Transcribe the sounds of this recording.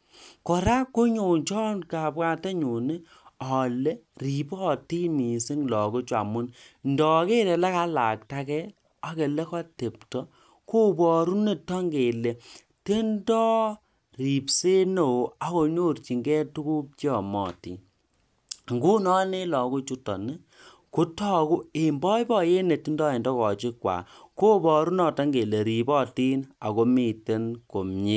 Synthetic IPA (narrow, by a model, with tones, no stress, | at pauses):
kɔ˨ɾa˦kːo˦ɲo˨ɲt͡ʃɔ˦nka˨pka˦te˦ɲu˨ne˦ | ɔ˨le˦ri˨pɔ˦ti˦ni˨si˦ŋlɔ˨ko˦t͡ʃa̰˨mʊ˦nndɔ˨˦ke˦tɛ˨le˦ka˦la˨k̚ta˦kɛ˦ | a˦ke˨le˦kɔ˦te˨p̚tɔ˦ | ko˦bɔ˨ɾu˦ne˦tɔ˦ŋɡe˨le˨ | te˦ndɔː˦ | ri˨pse˦no˨a˨ko˨ɲo˦rt͡ʃi˨ŋɡɛ˦tu˦ku˦p̚t͡ʃi˦ɔ˨mɔ̰˨tḭ˨n | ŋɡu˦nɔ˦ne˦lɔ˨ku˦t͡ʃu˦tɔ˨ni˦ | ku˦tɔ˦ku˦e˨mbɔ˦jbɔ˦je˦ne˨ti˦ndɔ˦e˨ndɔ˦kɔ˨t͡ʃɪ˦kwa̰ː˨ko˦bɔ˨ɾu˦nɔ˨tɔ˦ŋɡe˨le˨ɾi˨bɔ˦˨ti˦na̰˨ko˦mi˦˨te˦nko˨mɲe˦